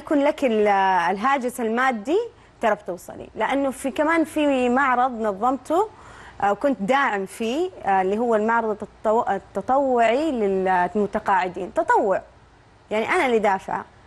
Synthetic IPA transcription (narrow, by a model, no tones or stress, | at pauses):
jakuːnlakɪllɦaːd͡ʒɪsalmaːd̪ːi | t̪ɑɾˤɑbt̪uːsˤɑ̰lḭlɪʔanːʊfikamaːnfiːmɑʕɾˤɑðˤnɑðˤːɑmt̪uwkʊnt̪d̪aːʕɪmfiːlːiːɦʊwːalmɑʕɾˤɑðˤt̪t̪ːɑt̪ˤɑwːɪʕilɪlmʊt̪aqɑːʕɪd̪ḭːnt̪ɑt̪ˤɑwːɪʕ | jaʕniʔanalɪd̪aːfɪ̰ʕa̰